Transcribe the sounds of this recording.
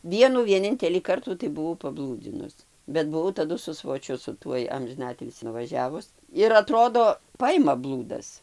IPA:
ˈʋʲiɛnuː ʋʲiɛˈnʲɪnʲtʲɛlʲiː ˈkɐrtuː tɐɪ bʊˈʋɐʊ pɐˈblˠuːd͡zʲɪnʊs bʲɛt bʊˈʋɐʊ tɐˈdʊ sʊ sʋoːˈt͡ʃʲʊ sʊ ˈtuɔj ɐmʲʒʲɪˈnɑːtʲɪlʲsʲiː nʊʋɐˈʒʲæːʋʊs ɪr ɐˈtroːdoː ˈpɐɪmɐ ˈblˠuːdɐs

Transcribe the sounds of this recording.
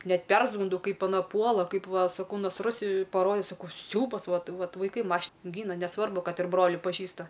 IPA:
ˈnʲɛt ˈpʲɛrzɡʊnˈdɐʊ ˈkɐɪp ɐˈnɐ ˈpuɔlˠɐ ˈkɐɪp ˈʋɐ sɐˈkɐʊ nɐsˈrʊs pɐˈroːdʲɛ sɐˈkɐʊ ˈsʲɛʊbɐs ˈʋɐt ˈʋɐt ʋɐɪˈkɐɪ ˈmɐʃ ˈɡʲiːnɐ nʲɛˈsʋɐrbʊ ˈkɐt ɪr ˈbroːlʲɪ pɐˈʒʲiːstɐ

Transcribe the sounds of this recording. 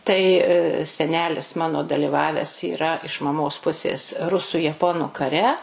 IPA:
tɐɪ sʲɛˈnʲæːlʲɪs ˈmɑːnoː dɐlʲɪˈʋɑːʋʲɛs iːˈrɐ ɪʃ mɐˈmoːs ˈpʊsʲeːs ˈrʊsʊ jɛˈpoːnʊ kɐˈrʲɛ

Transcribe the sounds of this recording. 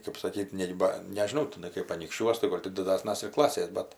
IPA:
kɐp sɐˈkʲiːtʲ ˈnʲɛɪ bɐ nʲɛʒʲɪˈnɐʊ tʲɪˈnɐɪ kɐɪp ɐnʲiːkʃʲˈt͡ʃʲuɔs tɐɪ ˈɡoːlʲ tʲɪ dʲɪˈdɑːsnɐs ɪr ˈklˠɑːsʲeːs ˈbʲɛt

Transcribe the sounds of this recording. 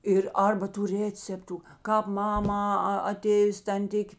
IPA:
ˈɪr ˈɐrbɐ tuː ˈrʲeːt͡sʲɛptʊ kɑːp ˈmɑːmɑː ɐ ɐˈtʲeːjʊs tɐnʲˈtʲɪkʲeː

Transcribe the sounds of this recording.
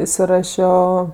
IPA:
ɪsʲɪˈrɑːʃʲoː

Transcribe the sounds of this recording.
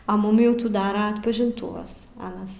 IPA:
ɐ ˈmʊm jɛʊ ˈtuː ˈdɑːrɐ ɐtpɐʒʲɪnˈtuːʋɐs ˈɑːnɐs

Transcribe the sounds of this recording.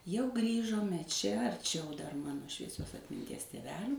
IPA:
jɛʊ ˈɡrʲiːʒoːmʲɛ t͡ʃʲɛ ɐrʲˈt͡ʃʲɛʊ dɐr ˈmɑːnoː ʃʲʋʲiɛˈsʲoːs ɐtʲmʲɪnʲˈtʲiɛs tʲeːˈʋʲæːlʲuː

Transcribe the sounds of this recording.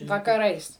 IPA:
ʋɐkɐˈrɐɪs

